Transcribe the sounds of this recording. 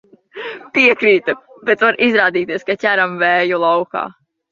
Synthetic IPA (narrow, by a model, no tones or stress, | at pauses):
piɛkɾiːt̪u | b̥ʲɛt̪vaɾʔizɾaːd̪iːt̪iɛskatʲæɾamvɛːjulˠawka̰ː